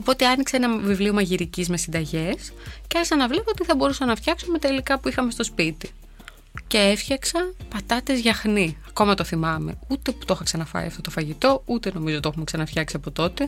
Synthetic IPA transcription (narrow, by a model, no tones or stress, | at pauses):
o̞po̞t̪e̞ɐnikseenɐvivlio̞mɐʝiɾicizme̞sind̪ɐʝesceɐsɐnɐvle̞poot̪iθɐbo̞ɾusɐnɐft̪çɐksume̞t̪e̞likɐpuixɐme̞st̪ospit̪i | ce̞efçɐksɐnpɐt̪ɐt̪e̞zʝɐxniɐko̞mɐt̪oθimɐme̞̰ut̪e̞pu̥t̪o̞xɐksɐnɐfɐ̰ḭɐ̰ft̪o̞t̪o̞fɐʝit̪o̞ut̪e̞no̞mizot̪e̞xume̞ksɐnɐft̪çɐksiɐpot̪o̞t̪e̞